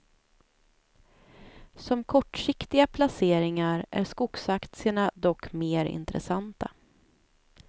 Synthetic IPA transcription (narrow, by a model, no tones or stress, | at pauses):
sɔmkʰɔʈʂɪkt̪ɪɡapʰlaseːɾɪŋaɾʔæ̰ɾskʊɡsakt̪sɪəɳad̪ɔkːmeːɾɪ̰nt̪ɾɛ̰sant̪a̰